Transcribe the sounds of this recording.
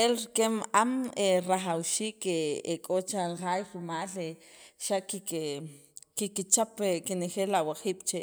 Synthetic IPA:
elɾikemʔameɾaχawʃiːkeekʼot͡ʃalχajɾumaːleʃaʔki | kikit͡ʃapekeneχelawaχiːɓ̥t͡ʃe

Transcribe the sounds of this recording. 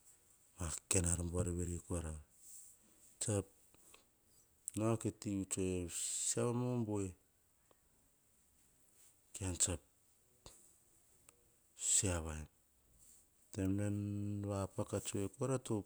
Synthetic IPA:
makenaɾamboaɾeβeɾiekoaɾa | t͡ʃap̚ | noaketiut͡ʃoesiaβamomboe | keant͡ʃap̚ | siaβaen | temenβapakat͡ʃoekoaɾato

